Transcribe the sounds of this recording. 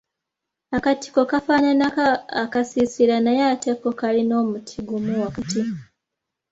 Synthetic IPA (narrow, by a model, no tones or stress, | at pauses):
akati̥kokafaɲanaakasisilanajate̞kokalino̞ːmutʰiɡumuwakatiko